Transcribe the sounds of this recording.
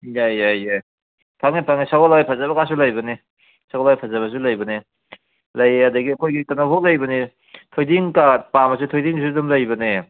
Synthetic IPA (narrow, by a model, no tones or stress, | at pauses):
jajajaj | pʰaŋnipʰaŋisaɡolajpʰazɐbɐkasulɐjbɐni | saɡolajpʰazɐβɐs̬ulɐjbɐne | lɐjɐdɐɡiɐkʰojɡikanaɦok̚lɐjbɐni | tʰojdiŋkapamɐs̬utʰojdiŋs̬udumlɐjbɐne